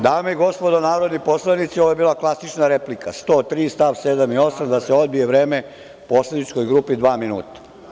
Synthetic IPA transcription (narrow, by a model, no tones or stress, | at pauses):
d̪aːmeiɡo̞spod̪onaːɾo̞d̪nipo̞slanit̪sioʋoebiːlˠaklˠasit͡ʃnaɾeplikast̪o̞ːt̪ɾiːst̪aʋsed̪amio̞samd̪aseo̞d̪bije̞ʋɾe̞ːme | poːslenit͡ʃko̞jɡɾuːpid̪ʋaːminuːt̪ḁ